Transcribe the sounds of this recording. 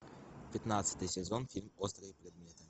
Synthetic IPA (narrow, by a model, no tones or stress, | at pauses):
pʲɪt̪nat̪sə̥t̪ɨjsʲɛzonfʲilʲmost̪ɾɨjəpɾʲɛd̪mʲet̪ɨ